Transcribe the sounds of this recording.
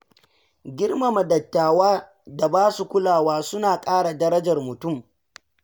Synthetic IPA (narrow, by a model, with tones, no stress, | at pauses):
ɡʲɪ˦rma˨mɐ˨dɐ˨tːaː˨waː˦ | da˨baː˦su˨kʷʊ˦laː˨waː˦sʊ˦naː˨kʼaː˦ɽa˨dɐ˦ɾɐ˦d͡ʒɐ˨rmʊ˨tʊ˦˨m